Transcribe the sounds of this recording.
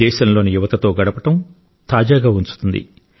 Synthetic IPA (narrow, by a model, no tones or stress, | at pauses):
ɛːʃɐmlo̞ːnijuʋɐt̪ɐt̪o̞ːɡɐɽɐpɐʈɐm | t̪aːd͡ʒaːɡaːunt͡ʃu̥t̪und̪ḭ